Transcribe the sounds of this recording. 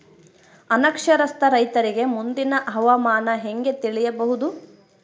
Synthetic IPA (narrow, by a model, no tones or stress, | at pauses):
ɐnɐkʂɐɾɐst̪ɐɾɐjt̪ɐɾiɡe̞mund̪inɐʔɦɐʋamaːnɐɦeŋɡe̞t̪iɭijɐbɐɦud̪u